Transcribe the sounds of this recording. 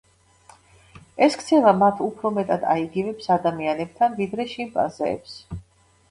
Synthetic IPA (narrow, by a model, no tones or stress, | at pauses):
ɛskʰt̪sʰɛvamat̪ʰupʰɾɔmɛt̪ʼad̪a̰iɡivɛpsad̪amianɛb̚t̪ʰanvid̪ɾɛʃimpʼa̰zɛ̰ːps